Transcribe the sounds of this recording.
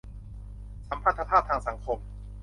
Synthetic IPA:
sa˩˦mʰpʰa˦˥˩t̪ʰa˧pʰaː˥˩p̚t̪ʰaː˧ŋsa˩˦ŋkʰo˧m

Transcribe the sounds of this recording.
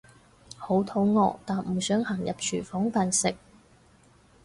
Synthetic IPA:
ho˨˥wt̪ʰo˨˥wŋɔ̰ː˧k̚t̪aː˨nm̩˨˩sœː˨˥ŋha˨˩ŋjɐ̰˨p̚t͡ʃʰyː˨˩fɔː˨˥ŋfaː˨nsɪ˨k̚

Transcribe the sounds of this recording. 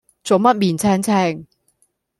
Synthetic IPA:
t͡so˨wmɐ˥t̚miː˨˩nt͡sʰɛː˥ŋt͡sʰɛː˥ŋ

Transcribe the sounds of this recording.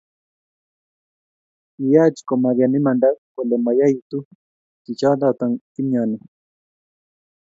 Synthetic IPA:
i˨ja˦˨t͡ʃi̥˨kɔ˨ma˨ɾja˨nɛ˦ma˨nda˦ko˨lɛ˨ma˨ja˦i˨t̪u˦ | ki˨t͡ʃa˦da˦˨t̪a˨ŋki˦mjɔ˨nɛ˨

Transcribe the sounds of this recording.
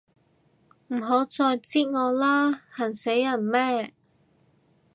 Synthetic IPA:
m̩˨˩ɦo˨˥wt͡sɔː˧jt͡siː˥ŋɔː˨˧laː˥hɐ˨˩nse˨˥jːɐ˨˩nmɛː˥

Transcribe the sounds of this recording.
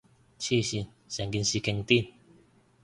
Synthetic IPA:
t͡ʃʰi˦˧˨si˧ | sɛ˨ŋɡi˧nsi˧kɛ˧ŋt̪i˦˥˨n

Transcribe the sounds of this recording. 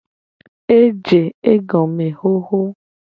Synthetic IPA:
e˦d͡ʒe˨e˦ɡɔ̃˨me˨ho˦ɦo˦

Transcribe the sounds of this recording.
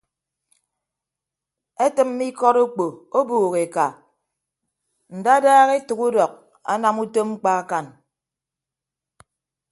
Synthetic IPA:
e˦tɨ˨mː˦i˦kɔ˦ɾu˦k͡po˨o˦buː˨ɣe˨ka˨ | n̩˨da˦daː˦ɣe˦tu˨ku˦dɔ˨k̚ | a̰˦na˨mu˦to˦mŋ͡m̩˦k͡pa˦a˦ka˨n

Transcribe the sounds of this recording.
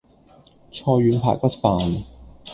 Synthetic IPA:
t͡sʰɔː˧jɥyː˨˧npʰa̰ː˨˩j̚pɐ˥t̚faː˨˩n

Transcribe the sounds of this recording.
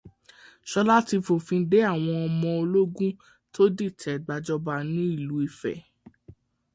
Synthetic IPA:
ʃɔ˧la˦ti˧fo˨fĩ˧˦de˨˦a˦˨w̃ɔ̃˧ɔ˧mɔ̃˧o˧lo˦ɡũ˦ | to˦di˦˨tʰɛ˨ɡ͡ba˧d͡ʒɔ˦ba˧nĩ˦i˦˨lu˨˦i˧˨fɛ̰˨

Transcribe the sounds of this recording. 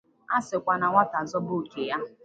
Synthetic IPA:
a˦sɪ˨kʷa˨na˨ŋʷa˦ta˨zɔ˦bʊ˦˨ke˨ja˦

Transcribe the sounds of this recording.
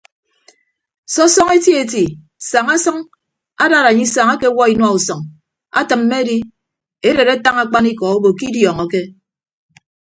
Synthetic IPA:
sɔ˦sɔ˦ŋe˦tje˦e˨t̬i˨ | sa˨ŋa˦sʌ˦ŋ | a˦da˦˨ɾa˨ɲi˦sa˨ŋa˦ke˦wɔ˦i˨nwa˦u˨sɔ˨ŋ | a̰˦tɨ˨m̩ː˦me˦di˦ | e˦ɾe˨ɾe˦ta˦ŋa˦k͡pa˦ni˦kɔ˨o˦bo˨ki˦djɔ˨ŋɔ˨ke˦

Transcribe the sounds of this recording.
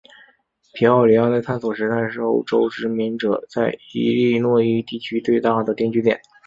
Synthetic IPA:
pʰi˧˥ɑ˥˩ʊli˧˥ɑ˥˧t̪a˥˧ɪt̪ʰa˥nswɔ˨˩ʂɻ̩˧˥t͡sa˥˧ɪʂɻ̩˥˩o˥ʊʈ͡ʂo˥ʊʈ͡ʂɻ̩˥mi˧˥nʈ͡ʂɤ˨˩t͡sa˥˩ɪi˧˥li˥˧nwɔ˥˧i˥˧t̪i˥˩t͡ɕʰy˥t̪we˥˧ɪt̪a˥˩d̪ə˩t̪jɛ˥˧nt͡ɕy˥t̪jɛ̰˨˩˦n

